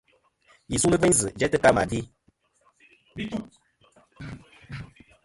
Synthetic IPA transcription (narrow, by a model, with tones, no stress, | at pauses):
ji˨su˦lɨ˦və˦zɨ˨d͡ʒɛ˦tɨ˦ka˦ma̰˨di˦